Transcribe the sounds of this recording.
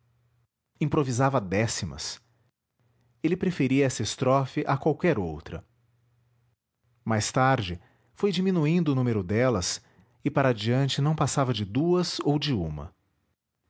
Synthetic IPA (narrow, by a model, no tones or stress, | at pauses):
ĩpɾovizavɐd̪ɛsimɐ̰s | elɪpɾefeɾiɐɛsɐɪst̪ɾɔfɪʔakwawkɛɾowt̪ɾɐ̰ | majst̪aɾd͡ʒɪ | fojd͡ʒimĩnuĩnd̪ʊːnũmeɾʊd̪ɛlɐs | ɪpaɾɐad͡ʒiɐ̃nt͡ʃɪnɐ̃w̃pasavɐd͡ʒɪd̪uɐzowd͡ʒɪũmɐ̰